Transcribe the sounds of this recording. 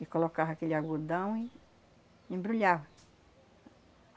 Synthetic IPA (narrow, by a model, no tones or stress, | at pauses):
ɪkolokavɐakelɪaɡud̪ɐ̃w̃ɪ | ẽbɾuʎavɐ